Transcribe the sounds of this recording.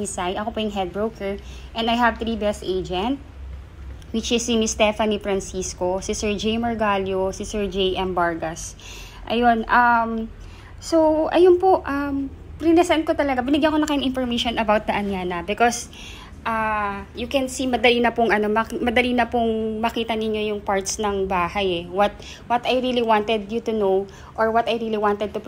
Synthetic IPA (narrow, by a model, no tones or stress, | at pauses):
isajʔɐkopojʊŋɦɛd̪̚bɹowkʰɛɹʔɛ̃nd̪ɐjɦɐvt̪ɾibɛst̪ʔejd͡ʒɛnt̪̚ | wɪt͡ʃɪsːimɪst̪ɛfɐnifɾɐnsiskosɪsɛɹd͡ʒejmɔɹɡaljosisɛɹd͡ʒejʔɛmbaɹɡɐs | ʔɐ̰jonʔam | sowʔɐjonpoʔɐm | pɾinɛsɛnt̪̚kot̪ɐlɐɡabɪnɪɡjãŋkonɐŋkɐjʊŋʔɪ̃nfɔɹmejʃonʔɐbawt̪̚d̪ɐʔɐnjaːnɐbɪkos | ʔajukɛnsimɐd̪ɐlinɐpʊŋʔɐno̞mɐkmɐd̪ɐliːnɐpʊŋmɐkiːt̪ɐnɪɲːo̞jʊŋpaɹt̪snɐŋbaːhɐjɛwɐt̪̚ | wɐt̪ɐjɾiːliwant̪ɛd̪̚jut̪ʊnow | ʔɔɹwɐt̪ɐjɾiːliwant̪ɛd̪̚t̪ʊp